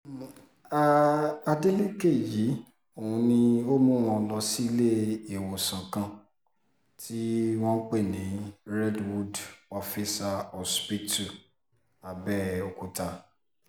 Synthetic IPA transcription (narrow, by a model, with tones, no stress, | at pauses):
a˦a˧de˦he˦ke˦˨ji˨˦ | o˨ũ˧nĩ˧o˦mũ˦w̃ɔ̃˧lɔ˧si˦le˦e˨wɔ˨sã˨kã˦˨ | tʰi˦w̃ɔ̃˦k͡pe˦˨nĩ˨˦ɾɛ˦dwu˦dɔ˧fi˦sa˧ɔ˨spi˦tu˨ | a˨bɛ˦o˨ku˨ta˧˦